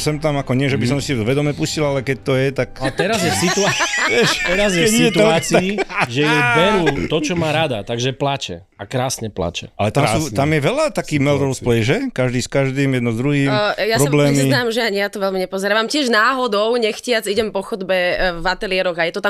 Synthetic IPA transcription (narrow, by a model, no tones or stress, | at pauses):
sɛmt̪amakɔɲɪɛʒɛbisɔmsiʋɛd̪ɔmɛpuscilalɛkɛc̚t̪ɔjɛt̪aklɛt̪ɛɾazjɛfsit̪uaʋɛʃɛɾazjɛɛsɛt̪uaaːt͡siaiʒɛjɛjbɛɾuːt̪ɔt͡ʃɔmaːɾad̪at̪aɡʒɛplat͡ʃɛ̰ | akɾaːsɲɛpla̰t͡ʃɛ̰a̰lɛt̪amsuːt̪amjɛʋɛlat̪akiːɣmɛld̪ɾɔʊsplɛjʒɛkaʒd̪iːskaʒd̪iːmjɛd̪nɔzd̪ɾuɦiːmjasɾɔablɛːmzinaːmʒɛjaɲijat̪ɔʋɛlmiɲɛpɔzɛɾaːʋamcɪɛʒnaːɦɔd̪ɔʊɲɛxcɪad͡ziɟɛmpɔxɔd̪bɛvat̪ɛlɪɛɾɔɣajɛt̪ɔt̪am